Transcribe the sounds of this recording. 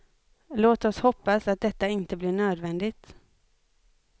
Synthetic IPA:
loːt̪ɔshɔpːasat̪̚d̪ɛt̪ːaɪnt̪əblɪɳøːd̪vɛnd̪ɪt̪

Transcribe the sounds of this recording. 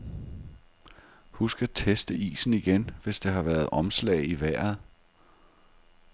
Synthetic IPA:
husɡ̥æt͡sʰesd̥əḭːsn̩iɡ̥enʋe̝sd̥e̝ɦɑ̈ʋæːɐð̞̩ˠʔɒ̽mslɛ̰ːɪiʋæɐ̰ð̩ˠ

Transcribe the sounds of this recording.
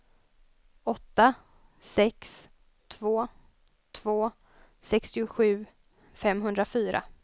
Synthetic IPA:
ɔt̪ːa | sɛks | t̪ʰvoː | t̪ʰvoː | sɛkst̪ɪʊɧʉ̟ː | fɛmːɦɵnd̪ɾafyːɾa̰

